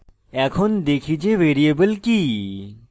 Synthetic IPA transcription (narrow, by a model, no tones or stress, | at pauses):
ɛkʰond̪ekʰit͡ʃeʋeːɾiebəlki